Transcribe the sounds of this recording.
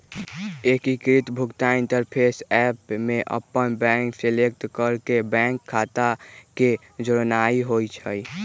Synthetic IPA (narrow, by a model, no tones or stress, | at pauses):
ekikɾit̪bʱʊkt̪aɪnʈəɾpʰesɛpmeʔə̰pːənbɛ̃ŋkselek̚ʈkəɾkebɛ̃ŋkʰːat̪ake | d͡ʒəɾnaiɦojt͡ʃʰə̰j